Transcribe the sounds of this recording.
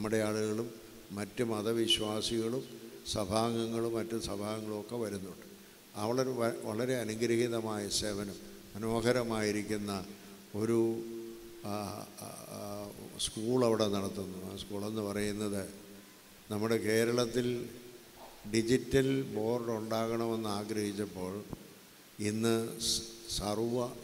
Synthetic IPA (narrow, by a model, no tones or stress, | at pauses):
ɐmːuɽe̞aːɭuɣɐɭumː | ɐtːɨmɐðɐʋiɕwaːsiɣɐɭumsɐbʱaːŋɡɐŋːɐɭumːɐtːusɐbʱaːŋːɐɭumokːe̞ʋɐɾunːuɳɖɨ | ɐ̰ʋɐɭɐɾʋɐɭɐɾe̞ɐnuɡɾiɣiðɐmaːjɐse̞ːbʱɐnɐm | ɐno̞ːɡɐɾɐmaːjiɾikʲːunːɐ | o̞ɾu | skuːɭɐʋiɽe̞nɐɽɐt̪ːunːuskuːɭe̞nːɨpɐrɐjunːɐðɨ | nɐmːuɽe̞ke̞ːɾɐɭɐt̪ːil | ɖid͡ʑitːɐlbo̞ːrɖuɳɖaːɣɐɳɐme̞nːɨaːɡɾɐhit͡ɕːɐpːo̞ːɭ | inːɨ | sɐrʋɐ